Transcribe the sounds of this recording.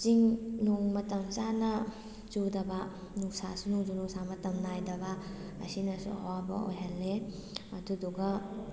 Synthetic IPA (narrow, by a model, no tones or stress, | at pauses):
t͡ʃiŋnoŋmɐtɐŋzanɐ | t͡ʃudɐba | nusasunuŋd͡ʒunusamɐtɐmnajdɐbaɐ̰sinɐsṵɐ̰wabɐ̰o̰jɦalːeɐduduɡɐ